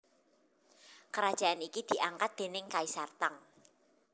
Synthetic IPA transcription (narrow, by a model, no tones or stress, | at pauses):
kəɾad̥ʒ̥a̤ʔanikid̪̥i̤ʔaŋkat̪̚d̪̥e̤nɪŋkaisart̪aŋ